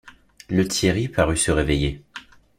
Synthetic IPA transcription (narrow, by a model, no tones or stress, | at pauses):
lət̪jeʁipaʁysəʁeveje